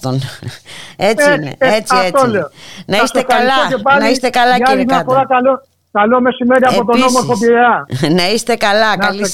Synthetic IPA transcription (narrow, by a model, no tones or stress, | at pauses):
t̪on | en̰et͡siet̪olonɐist̪ekɐlɐopanɐist̪ekɐlɐaiiafoɾakalo | kalomesimeɾjapot̪onomofopjeanɐist̪ekɐlɐkɐlis